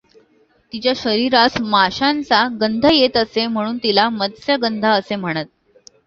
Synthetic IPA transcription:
t̪it͡ɕjaɕəɾiɾasmaɕant͡saɡənd̪ʱəjet̪əsem̤əɽ̃uːnt̪ilaməd̪sjəɡənd̪ʱaəsem̤əɽ̃ət̪̚

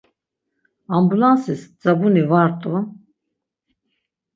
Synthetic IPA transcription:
ambulansisd͡zabunivaɾt̪ʼu

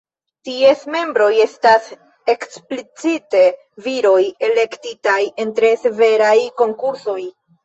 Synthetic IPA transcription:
tie̞sme̞mbɾo̞je̞stas | e̞ksplit͡site̞ | viɾo̞je̞le̞ktitaje̞ntɾe̞se̞ve̞ɾajko̞ŋkuɾso̞j

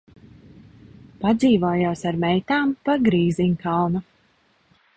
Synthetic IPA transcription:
pad̪ziːvoːjoːsaɾmɛjt̪aːmpaɡɾiːziɲkawnu

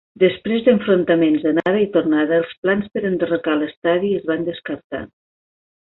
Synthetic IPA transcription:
d̪əspɾezd̪əɱfɾont̪əmenzðənaɾəit̪ornaðəəlˠsplanspəɾənd̪ərokaləst̪aðiəzβand̪əskəɾt̪a̰

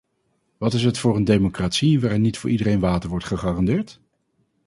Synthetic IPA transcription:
ʋɑtɪsɦətfʊːɹəndejmokraːtsiʋaːɾɪnːitfʊːɹʔidəɾejnʋaːtəɹʋɔɹtχəχaːrɑndɪːɹt

